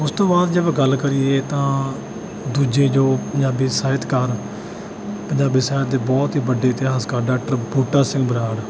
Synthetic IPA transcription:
ʊst̪õːbaːd̪d͡ʒəbɡəlːkəɾiːeːt̪ãː | d̪uːd͡ʒeːd͡ʒoːpəɲd͡ʒaːbiːsaːɪt̪kəɾ | pəɲd͡ʒaːbiːsaːɪt̪̚d̪eːbɔːt̪ɦiːbəɖeːt̪ɪɦaːskaːɖaːʈɾəbuːʈaːsɪ̃ŋɡbəɾaːɽ

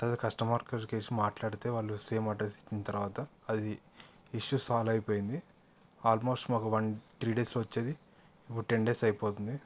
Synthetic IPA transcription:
t̪ɐd̪kɐsʈɐmaːɾkɐɾke̞ːsumaːʈlaːɽit̪e̞ːʋaːɭːuse̞ːmaːɖɾesi̥t͡ʃːinɐt̪ɐɾuʋaːt̪ɐːd̪i | iʂusaːlɐjipoːjind̪i | aːlmo̞ːsʈmaːkuʋɐnt̪ɾiːɖeːsloːʋɐt͡ʃːeːd̪i | ipːuɽʈe̞ɳɖe̞ːsɐjpoːt̪und̪i

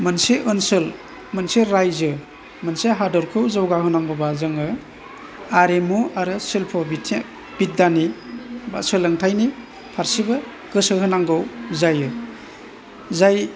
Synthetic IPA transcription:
mɯnseʔɯnsɯl | mɯnseɾajzɯ | mɯnseɦadɔɾkʰɯwzawɡaɦɯnaŋɡɔbazɯŋɯ | aɾemuaɾɯsilpʰɔbitʰ | b̥it̚daniba̰sɯlɯŋtʰajni | pʰaɾsibɯ | ɡ̥ɯsɯɦɯnaŋɡɔwzajɯ | zaj

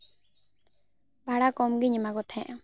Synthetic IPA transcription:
bʱaɽakɔmɡiɲɛmaɡɔt̪ʰɛ̃ʔa

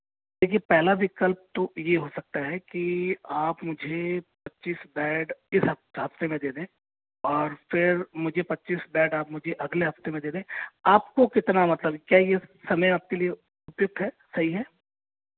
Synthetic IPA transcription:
d̪eːkʰiepɛɦlaʋɪkəlp̚t̪ojeɦosɐk̚t̪aɦɛkiaːpmʊd͡ʒʱepɐtːʃiːsbɛːɖɪsɦɐɦɐft̪emẽd̪eːd̪ẽː | ɔːɾfɪɾmʊd͡ʒʱepɐtːʃiːsbɛːɖaːpmʊd͡ʒʱeʔɐɡleɦɐft̪emẽd̪eːd̪ẽːaːpkokɪt̪namɐt̪ləbkjaːjesɐməjaːp̚kelie | ʊpjʊɡ̚d̪ɦɛː | sɐɦiɦɛː

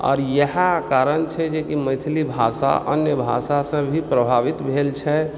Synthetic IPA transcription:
ɔ̰ːɾjəɦakaɾənt͡ʃʰɛd͡ʒekiməɪt̪ʰlibʱasa̰ʔə̰njəbʱa̰sasə̃bʱipɾəbʱaʋit̪bʱelt͡ʃʰɛ

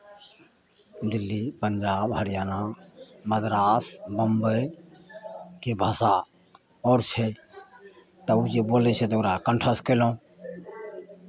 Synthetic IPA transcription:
d̪ilːipənd͡ʒaːbɦəɽijaːnaməd̪ɾasbəmbəj | kebʱəsa | ɔːɾt͡ʃʰɛ | t̪əud͡ʒebolɛt͡ʃʰɛt̪oɾakəɳʈʰəskəlõ

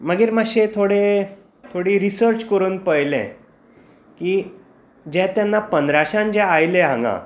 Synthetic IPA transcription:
məɡiːɾmaɕet̪ʰoɽe | t̪ʰoɽiːɾisəɾt͡ɕkəɾuːnpəjlɛ̰̃ | kiː | d͡ʑɛ̃t̪janːapənd̪ɾaɕãnd͡ʑɛ̃ajlẽɦã̰ŋɡã̰

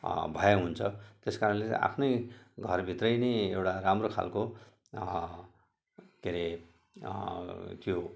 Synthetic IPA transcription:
bʱʌjeɦunt͡sʰʌt̪eskaɾʌnlḛʔa̰pʰnʌjɡʱʌrbʱit̪rʌjneewʈaɾamrokʰa̰lko | keɾe | t̪jo

